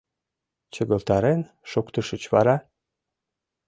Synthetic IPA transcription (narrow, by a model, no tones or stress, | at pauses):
t͡ɕə̆ɣə̆lt̪ɑɾen | ʃokt̪ə̆ʃə̆t͡ɕβɑɾɑ